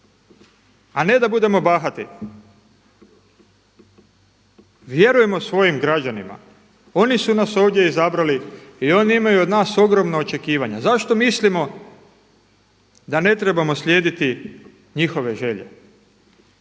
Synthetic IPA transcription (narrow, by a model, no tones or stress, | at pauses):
ane̞d̪abud̪e̞mo̞baxat̪ḭ | ʋje̞ɾuje̞mo̞sʋo̞jimɡɾad͡ʑanima̰ | o̞nisunaso̞ːʋd̪ʲje̞izabɾaliio̞ːniimajuod̪naːso̞ɡɾo̞mnaot͡ʃe̞kiːʋaɲazaʃt̪o̞mislimo̞ | d̪ane̞t̪ɾe̞bamo̞sʎʲje̞ːd̪it̪i | ɲixo̞ʋe̞ʒe̞ʎe̞̰